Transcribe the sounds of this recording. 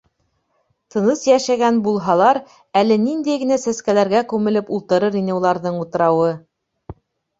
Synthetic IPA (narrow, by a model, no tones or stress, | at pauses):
t̪ʰɤ̆nɤsjæʃæɡænbulˠɦɑlˠɑɾ | ælɘnind̪æjɡɘ̆næsæskælæɾɡækʉmɘ̆lɘpulˠt̪ɤ̆ɾɤɾinɘulˠɑɾðɤɴut̪ɤ̆ɾɑwɤ